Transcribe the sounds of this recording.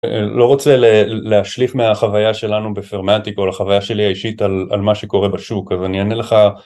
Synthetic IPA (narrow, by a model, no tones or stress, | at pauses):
lo̞ʁot͡se̞leleaʃlifmeaχavajaʃe̞lanubefeʁmatikolaχavajaʃe̞liaiʃitala̰lmaʃeko̞ʁe̞baʃukazanianele̞χa